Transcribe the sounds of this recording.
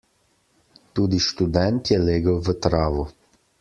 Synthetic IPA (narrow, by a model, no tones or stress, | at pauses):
t̪uːd̪iʃt̪ud̪ɛnt̪jɛleːɡəwʋət̪ɾaːʋu